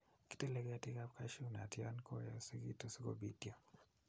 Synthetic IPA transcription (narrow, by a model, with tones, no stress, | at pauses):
ki̥˦te˦le˦ɡɛ˦a˦ti˦ka˦pka˦ʃu˦na˨tja˦nkɔ˦ja˨si˦ɡi˦to˦si˦ko̰˦bi˦tja˦